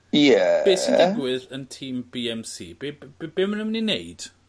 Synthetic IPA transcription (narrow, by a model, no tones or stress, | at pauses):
jɛb̥ejsɪkɡwɪðəntʰiːmb̥iɛmsḭːbebb̥ɪmənəmnineɨd̥